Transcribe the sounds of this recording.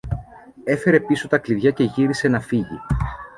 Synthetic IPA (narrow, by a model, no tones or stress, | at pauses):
e̞fe̞ɾe̞piso̞t̪ɐkliðʝɐce̞ʝiɾise̞nɐfiʝḭ